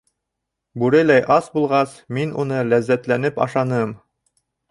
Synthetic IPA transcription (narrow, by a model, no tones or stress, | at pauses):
bʉɾɘlæjʔɑsbulˠʁɑsminṵnɤlæzːæt̪lænɘpɑ̰ʃɑnɤm